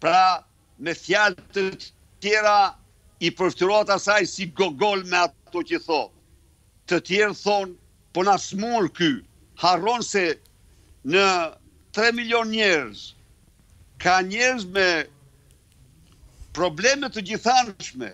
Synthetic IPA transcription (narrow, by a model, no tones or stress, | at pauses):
pɾa | mɛθjalt̪ə | t̪jɛɾa | ipəɾft̪əɾɔat̪asajsiɡɔɡɔlmɛat̪ɔcəθɔt̪ | t̪ət̪jɛɾθɔn | pɔnasmuɾky | harɔnsɛ | nə | t̪ɾɛmiljɔnɲɛɾz | kaɲɛɾzmɛ | pɾɔblɛmɛt̪ːəd͡ʑiθanʃmɛ̰